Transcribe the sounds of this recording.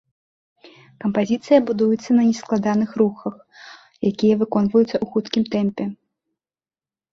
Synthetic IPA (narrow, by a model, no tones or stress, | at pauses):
kɐmpazʲit̪sɨjɐbud̪ujut̪sːɐnɐnʲɛsklˠad̪anɨxɾuxɐx | jakʲijɐvɨkɔnvɐjut̪sːɐʔuxut̪kʲimt̪ɛmpʲɛ